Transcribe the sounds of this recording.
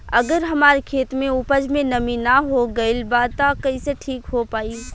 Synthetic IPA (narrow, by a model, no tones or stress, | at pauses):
ɐɡəɾɦɐmaːɾekʰeːt̪mẽʊpəd͡ʒmẽnɐminaɦoɡɐilbaːt̪akɐiseʈʰiːkɦopaːi